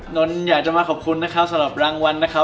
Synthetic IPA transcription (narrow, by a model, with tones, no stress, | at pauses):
no˦˥njaː˨˩k̚t͡ɕa˨˩maː˧kʰɔ˨˩p̚kʰu˧nːa˦˥kʰa˦˥p̚sa˧˥ɾa˨˩p̚ɾaː˧˥ŋwa˧nːa˦˥kʰa˦˥